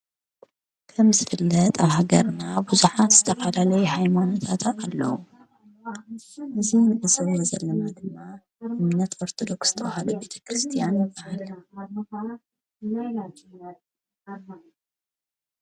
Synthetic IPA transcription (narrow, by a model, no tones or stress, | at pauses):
kʰɐmzɨfɨlːɐt̪ʼaβhaɡɐɾnabuzuħaz̥ɨt̪ʰɐfɐlalɐjhajmano̞t̪ʰat̪ʰaalːɐ̰wu | ʔɨzinɨʔɨsɐβɛzɐlːɐnad̪ɨmːa | ʔɨmnɐt̪ʰoɾt̪ʰod̪o̞ksɨ̥t̪ʰɐwhalube̞t̪ʰɐ̥kɾɨst̪ʰijanjɨbahal